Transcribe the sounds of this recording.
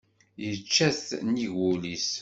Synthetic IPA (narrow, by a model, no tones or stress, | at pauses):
jət͡ʃːæθniʝulis